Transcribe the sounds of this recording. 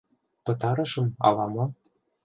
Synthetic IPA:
t̪ɤ̆t̪ɑɾɤ̆ʃɤ̆mɑ̰lɑmɑ

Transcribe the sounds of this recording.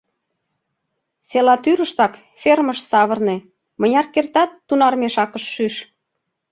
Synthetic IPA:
selɑt̪yɾəʃt̪ɑk | fʲerməʃsɑβə̆rne | mə̆nʲɑrkert̪ɑt̪ːunɑrmeʃɑkəʃːyʃ

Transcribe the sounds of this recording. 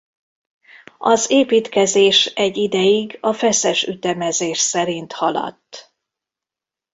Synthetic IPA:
ɒzeːpiːt̪kɛzeːʃɛɟːid̪ɛjiɡɒfɛsɛʃyt̪ɛmɛzeːʃsɛɾint̪hɒlɒ̰t̪ː

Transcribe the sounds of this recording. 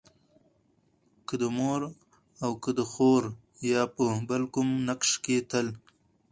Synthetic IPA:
kəd̪əmoɾ | awkəd̪əxoɾ | jɑpəbəlkʊmnakʂket̪əl

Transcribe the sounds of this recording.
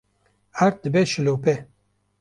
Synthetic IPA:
aɾt̪̚d̪ɨbɛʃɪlopɛ

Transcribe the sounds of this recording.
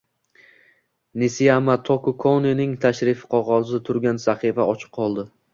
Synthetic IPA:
nɪsijamat̪ʰokʊkʰoninɪŋt̪ʰaʃɾɪfqʰɒʁɒzɪt̪ʰʊɾɡʲansaχɨfaɒt͡ʃʰɨ̥qʰːɒlˠd̪ɪ

